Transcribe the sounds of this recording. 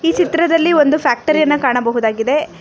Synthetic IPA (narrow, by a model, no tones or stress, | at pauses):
iːt͡ʃit̪ɾɐd̪ɐlːio̞nd̪upʰjaːk̚ʈɐɾijɐnːɐkaːɳɐbɐɦud̪aːɡid̪e̞